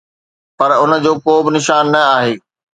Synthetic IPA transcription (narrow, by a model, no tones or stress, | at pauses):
pɐɾʊnə̆d͡ʑoːkoːbɪnɪʃaːnːɐaːɦeː